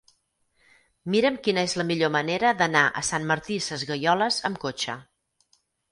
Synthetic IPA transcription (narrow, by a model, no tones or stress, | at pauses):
miɾəmkinəezləmiʎoməneɾəðənaʔə̰sanməɾt̪isəzɣəjɔləzəmkot͡ʃə̰